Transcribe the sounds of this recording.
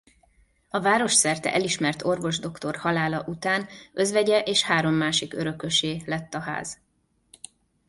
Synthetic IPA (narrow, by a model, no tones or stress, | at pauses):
ɒvaːɾo̞ʃsɛrt̪ɛ̰ʔɛliʃmɛrt̪o̞rvo̞ʒd̪o̞kt̪o̞rhɒlaːlɒʔut̪aːnʔø̞zʋɛɟɛʔeːʃhaːɾo̞mːaːʃikø̰ɾø̞køʃeːlɛt̪ːɒɦa̰ːz̥